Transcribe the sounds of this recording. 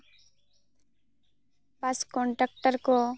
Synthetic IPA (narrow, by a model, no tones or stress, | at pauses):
pɐskoɳʈək̚ʈəɾko